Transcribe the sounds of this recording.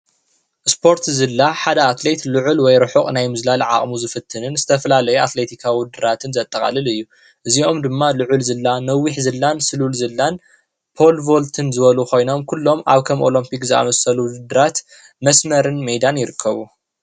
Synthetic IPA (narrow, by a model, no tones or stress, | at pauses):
ʔspʰo̞ɾt̪zɨlːaħad̪ɐat̪le̞t̪lɨʕulwɔjɾɨħuχʼnajmɨzlalʕa̰χʼmuzɨfɨt̪ʰːɨnɨnzɨt̪ʰɐfɐlalɐjuat̪le̞t̪ʰikʰawʊd̪ɨɾat̪ʰɨnzɐt̪ʼːɐχʼa̰lɨlɨjːu | ʔɨzio̞md̪ɨmːalɨʕʊlzɨlːanɐwiħzɨlːansɨlulzɨlːan | pʰo̞lvo̞lt̪ʰɨnzɨβɐlukʰo̞jno̞mkʰulːo̞mʔa̰βkʰɐmʔo̞̰lɐmpikzɨa̰mɐsɐlud̪ɨd̪ɨɾat̪ | mɐsmɐɾɨnmejd̪anjɪɾɨkʰːɐβu